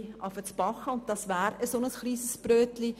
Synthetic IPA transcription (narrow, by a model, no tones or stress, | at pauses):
ɑfət͡spɑχəʊnt̚d̥ɑsʋæːɾəsonəsχliːsəsb̥ɾøːtli